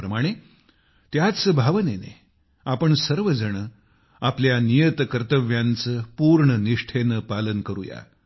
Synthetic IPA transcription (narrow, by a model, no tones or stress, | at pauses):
ɾəmaɽ̃e | t̪jat̪səbʱaʋənenḛ | apəɳsəɾʋəd͡zəɳ̃ə | apljanijət̪kəɾt̪əʋjãnt͡səːpuɾɳəniʂʈʰenəpalənkəɾṵja̰